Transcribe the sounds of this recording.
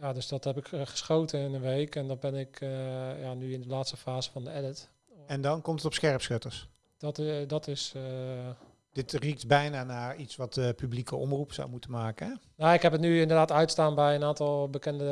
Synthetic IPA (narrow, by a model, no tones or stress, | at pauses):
jaːdøsdɔthɛpɪkχə̥sχoːtənɪnənʋejkʰɛndɔtbɛnɪkjanyɪndəlaːtstəfaːzəfɔndəɛdɪt | ɛndɔnkɔmtətɔpsxɛrpsxøtəɹs | d̥ɔtdɔtɪs | d̥ɪtrik̚tbɛjnaːnaːritsʋɑtəpyblikəɔmrupsa̰wmutənmaːkən | naɪkɦɛpətnyɪndərdaːtœɥtstaːnbɛjənaːntɔlˠbəkɛndə